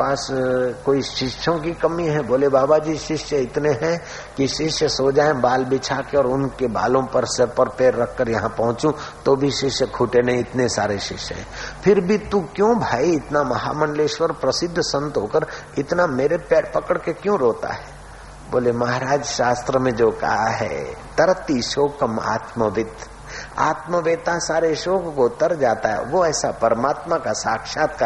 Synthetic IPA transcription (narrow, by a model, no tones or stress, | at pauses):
paːskoːiʃɪʃõk̬ikɐmiɦɛboːlebaːbad͡ʒiʃɪʃjəɪt̪neɦɛ̃ | kiʃɪʃjəsoːd͡ʒaːẽbaːlbɪt͡ʃʰakeɔːɾʊnkeba̰ːlõpɐɾsɪɾpɐɾpeːɾːɐkʰːəɾjɐɦãpɐɦʊ̃t͡ʃũt̪oːbʱiʃɪʃjəkʰʊʈenɐĩɪt̪nesaːɾeʃɪ̰ʃəɦɛ̰̃pʰɪɾbʱit̪ũkjõːbʱaːiɪt̪namɐɦa̰mə̃ɳɖleːʃwəɾpɾɐsɪd̪ʱːsə̃nt̪ɦoːkəɾ | ɪt̪nameːɾepɛʈpəkəɽkekjõɾoːt̪a̰ɦɛː | boːlemɐɦaɾaːd͡ʒʃaːst̪ɾəmẽd͡ʒoːkɐ̰ɦaɦɛ̰ːt̪ɐɾt̪iʃoːkəma̰ːt̪məʋɪt̪ | a̰ːt̪məʋeːt̪asaːɾeʃoːkkot̪ːəɾd͡ʒaːt̪aɦɛ̰ʋoɛːsapɐɾəmaːt̪makasaːkʃaːt̪̚k